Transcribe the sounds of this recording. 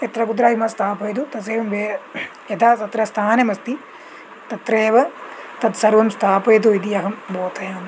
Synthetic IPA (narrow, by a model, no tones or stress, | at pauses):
et̪ɾɐkud̪ɾaːimɐst̪ʰaːpɐjt̪ut̪ɐseːʋɐmʋeː | jɐt̪ʰaːsɐt̪ɾɐst̪ʰaːnemɐst̪i | t̪ɐt̪ɾeːʋɐt̪ɐt̪sɐɾʋɐmst̪ʰaːpɐjt̪̬uid̪iɐɦɐmboːt̪ɐjaːn